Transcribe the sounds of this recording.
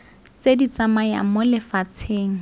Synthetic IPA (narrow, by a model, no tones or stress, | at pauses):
t͡sedit͡samaja̰mʊlɪfat͡sʰeːŋ̩